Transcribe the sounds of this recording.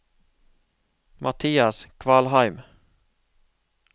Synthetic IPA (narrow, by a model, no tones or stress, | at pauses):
mʔɑt̪ʰiːɑskʰʋɑːlhɑɪm